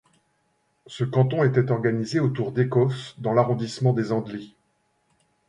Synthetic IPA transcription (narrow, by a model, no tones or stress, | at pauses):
səkɑ̃t̪ɔ̃et̪ɛt̪ɔʁɡanizeot̪uʁd̪ekɔsd̪ɑ̃laʁɔ̃d̪ismɑ̃d̪ezɑ̃d̪li